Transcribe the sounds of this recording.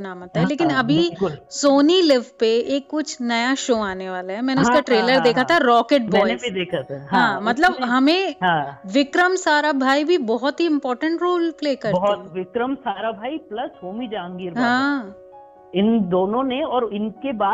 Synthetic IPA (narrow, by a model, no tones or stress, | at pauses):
naːmaːt̪ːaɦɛleːkɪnɐbʱikʊlsoːnilɪʋpeeːkːʊt͡ʃʰnɐjaʃoːaːneʋaːlaɦɛmɛːneɪʊskaʈɾeːləɾd̪eːkʰat̪ʰaɾɔːkeʈ̚mbɔɛ̃ːɪeid̪eːkʰat̪ʰaɦãːmɐt̪ləbɦɐmẽɦãːʋɪkɾəmsaːɾabʱaːibʱibɔɦɔt̪ɦiɪ̃mpɔːɾʈə̃ɳʈɾoːlpleːkɐɾɔɦat̪ʋɪkɾəmsaːɾabʱaːiplɐsɦoːmid͡ʒãːŋɡɪɾɦãː | ɪnd̪oːnõneɔːɾɪnkebaː